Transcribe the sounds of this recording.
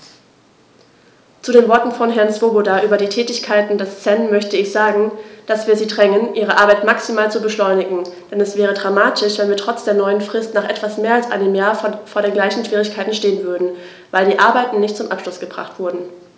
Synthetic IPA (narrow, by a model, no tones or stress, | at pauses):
t͡suɾeːnvɔɐtn̩fɔnɦɛɐnt͡sv̥obodaʔyːbɐɾiːtʰɛːtɪçkʰaɪtn̩dɛst͡sɛnmœçtəɪçz̥aːɡŋ̩d̥asv̥iːɐziːdʁɛŋənʔiːʁəʔaɐbaɪtmaksimaːlt͡subəʃlɔʏnɪɡŋ̩d̥ɛnɛsv̥ɛːʁ̞ədʁamaːtʰɪʃv̥ɛnviːɐtʁ̥ɔt͡sd̥eːɐnɔʏənfʁ̥ɪstnaːχʔɛtv̥asmeːɐalsʔa̰ɪnəmjaːɐfoːɐɾeːnɡlaɪçn̩ʃv̥iːʁ̞ɪçkʰaɪtn̩ʃteːənvʏɐdn̩ | vaɪldiːʔaɐbaɪtn̩nɪçtt͡sʊmʔa̰pʃlʊsɡ̥əbʁa̰χtv̥ʊɐdn̩